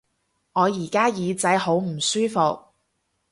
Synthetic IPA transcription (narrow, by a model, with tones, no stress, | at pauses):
ŋɔː˨˧jiː˨˩kaː˥jiː˨˧t͡sɐ˨˥jho˨˥wm̩˨˩syː˥fʊ˨k̚